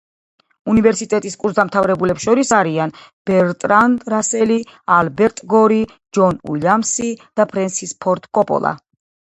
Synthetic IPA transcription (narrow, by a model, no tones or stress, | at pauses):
univɛɾsit̪ʼɛt̪ʼiskʼuɾsd̪amt̪ʰavɾɛbulɛpsʃɔɾisaɾian | b̥ɛɾt̪ʼɾand̪ɾasɛlialbɛɾt̪ʼɡɔɾi | d͡ʒɔnṵlamsid̪̥apʰɾɛnsispʰɔɾt̪ʼkʼɔpʼɔ̰lˠa̰